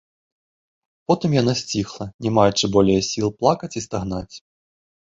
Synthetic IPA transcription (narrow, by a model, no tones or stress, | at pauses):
pɔt̪ɨmjan̪asʲt͡sʲixlˠɐnʲɛmajɛt͡ʂɨbɔlʲɛjɐsʲilˠplˠakɐt͡sʲist̪aɣnat͡sʲ